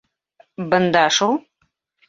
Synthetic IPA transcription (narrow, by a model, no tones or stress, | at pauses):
bɐnd̪aːʂow